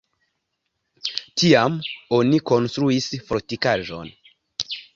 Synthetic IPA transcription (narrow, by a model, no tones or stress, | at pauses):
tʰiamo̞niko̞nstɾuisfoɾtikaʒo̞̰n